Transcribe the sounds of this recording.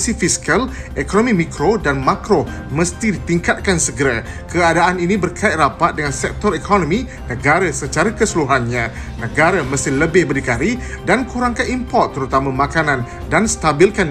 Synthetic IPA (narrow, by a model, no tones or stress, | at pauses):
sifiskalʔekonõmĩmikɾodanmakɾo | məst̪idit̪iŋkat̪̚kansəɡəɾa | kəadaaninĩbərkʰaɪt̪̚rapat̪̚dəŋansɛk̚t̪ɔɾikʰɔnõmĩ | nə̃ɡaɾasət͡ʃaɾakəsəluɦanɲã | nə̃ɡaɾaməsɪhləbɪhbəɾikaɾi | dankuɾaŋkanimpɔrt̪ːəɾut̪amãmakanãn | danst̪abilkan